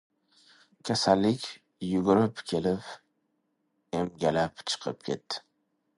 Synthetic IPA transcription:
kʲʰasalːɪkʲ | jʊɡʊɾɪpkʲʰe̞lɪp | emɡʲalapt͡ʃʰɨ̥qʰɨ̰p̚kʲʰe̞̰t̪ːɪ̥

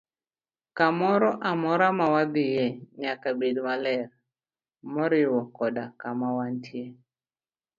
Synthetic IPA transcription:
kamɔɾɔʔamɔɾamawad̪ɪjɛɲakabedmalɛr | mɔɾɪwɔkɔdakamawantʰje

